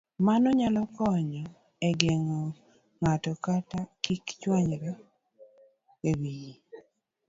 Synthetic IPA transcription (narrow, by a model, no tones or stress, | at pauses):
manɔɲalɔkɔɲɔ | eɡeŋɔ | ŋatɔkatakikt͡ʃwaɲɾɔ | ewiji